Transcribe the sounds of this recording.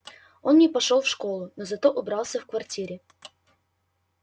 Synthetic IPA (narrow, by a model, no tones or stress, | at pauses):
o̞nnʲɪpɐʂolˠfʂko̞lˠʊnozɐt̪o̞ʔʊbɾɑlˠsʲəfkvɐrtʲiɾʲɪ